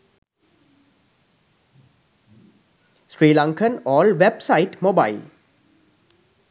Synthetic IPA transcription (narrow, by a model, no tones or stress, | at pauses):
sɾiːlãŋkʰənɔːlʋebsaɪʈmoːbaɪl